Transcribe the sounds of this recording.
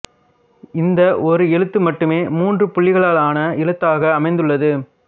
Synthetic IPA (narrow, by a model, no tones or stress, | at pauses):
ɪnd̪ɐʔɔɾɯɛɻɯt̪ːɯmɐʈːɯmeːmuːndrɯpʊɭːɪɣɐɭaːɭaːnɐɪɭɯt̪ːaːɣɐːmɐɪnd̪ɯɭːɐðɯ